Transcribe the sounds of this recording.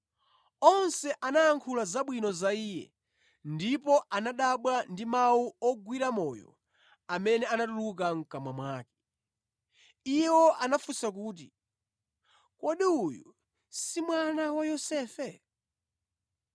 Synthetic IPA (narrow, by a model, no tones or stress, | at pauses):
ɔnsɛʔanajaŋkʰulazaɓwinɔzaiːjɛ̰ | ndipɔʔanaɗaɓwandimauɔɡwiɾamɔjɔ̰ | amɛnɛanatuluk̬aŋ̩kamwamwaːkɛ̥ | ijwɔʔanafusak̬uːt̬i | kɔɗiujṵ | simwanawajɔsɛːfɛ